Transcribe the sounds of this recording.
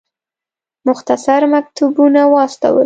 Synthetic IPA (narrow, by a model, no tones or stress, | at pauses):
mʊxt̪asaɾmak̚t̪ubunawɑst̪a̰wə̰l